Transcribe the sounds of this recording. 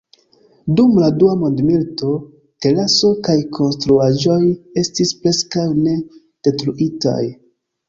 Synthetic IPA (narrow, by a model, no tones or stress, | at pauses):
dumladuamondmilto̞ | te̞laso̞kajkʰo̞nstɾuaʒo̞je̞stispɾe̞skawne̞ | d̥e̞tɾuʔita̰j